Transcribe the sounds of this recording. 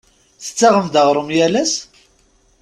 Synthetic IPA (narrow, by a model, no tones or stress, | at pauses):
θə̥t͡sːɑʁəmd̪əʁɾˤəmjælæs